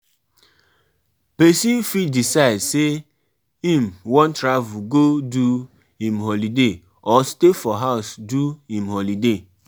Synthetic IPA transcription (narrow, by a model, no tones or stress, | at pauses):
pesifidisaɪdse | ĩm̩wɔ̃ntɾavuɡodu | hĩmɦɔlide | ɔstefɔɦaʊsduhĩmhɔlide